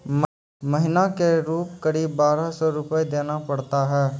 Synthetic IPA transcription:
mɐɦɪnakeɾuːp̚kɐɾiːbːaːɾasɔɾʊpəjd̪eːnapɐɽt̪aɦɛː

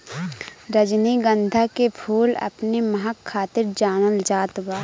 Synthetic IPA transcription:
ɾəd͡ʒniɡə̃nd̪ʱakepʰuːlɐ̰pnemɐɦakʰːaːt̪ɪɾd͡ʒaːnəld͡ʒaːt̪baː

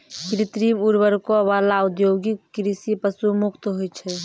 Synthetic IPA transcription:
kɾit̪ɾimuɾbəɾkoʋalaʊd̪joːɡikːɾisipəsumʊkt̪ɦojt͡ʃʰɛ

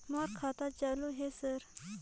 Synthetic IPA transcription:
maːɾkʰaːt̪at͡ʃaːloɦesəɾ

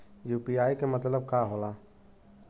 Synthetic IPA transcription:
juːpiaːikemət̪ləb̚kaɦola

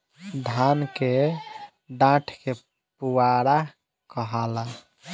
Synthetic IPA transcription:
d̪ʱanke | ɖãʈʰke | puwaɽa | kəɦala

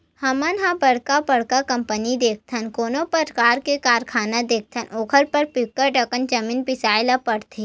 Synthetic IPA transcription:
hɐmənɦãbɐɽkapɐɽ̤kakɐ̃mpənid̪eːk̚ʰt̪ʰənkoːnopəɾkaːɾkekaːɾkʰaːnad̪eːk̚ʰt̪ʰənʔoːkʰəɾpəɾpɪkːəɾʈəkənd͡ʒɐmĩːnpɪsaːɪlapɐɽt̪ʰe

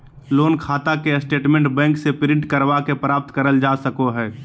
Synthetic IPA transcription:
loːnkʰaːt̪akesʈeːʈmɛ̃ɳʈbɛ̃ːŋksepɪɾɪ̃ɳʈkəɾʋakepɾaːp̚t̪kəɾəld͡ʒaːsəkoɦɛː

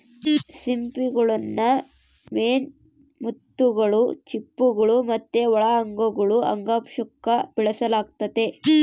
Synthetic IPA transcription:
simpiɡɐɭɐnːɐ | meːn | mut̪ːuɡɐɭut͡ʃipːuɡɐɭumɐt̪ːeʋɔɭɐɐŋɡɐɡɐɭuʔɐ̰ŋɡaːpʂukːɐb̥iɭɐsɐlaːɡ̚t̪ɐd̪e̞

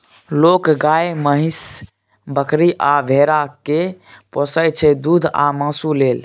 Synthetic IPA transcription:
lokɡajməɦis | bəkɾiʔabʱeɾakeposət͡ʃʰɛd̪ud̪ʱa̰mãːsulel

